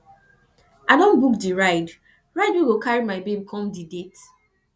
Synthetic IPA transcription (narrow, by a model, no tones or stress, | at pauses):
ʔadõnbukdiɹaɪd | ɹaɪdwiɡokʰaɹimaɪbẽbkʰɔ̃mdidet